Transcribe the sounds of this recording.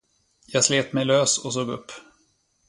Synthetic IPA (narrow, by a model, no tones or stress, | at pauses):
jɑːɡsleːt̪mɛjløːsɔs̬oːɡɵpː